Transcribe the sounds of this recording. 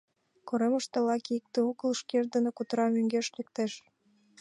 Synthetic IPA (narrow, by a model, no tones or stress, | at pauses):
koɾeməʃt̪ŏlɑkik̚t̪ĕuɣəlʃkerd̪ə̆nokut̪ɾɑmøŋɡeʃlekt̪eʃ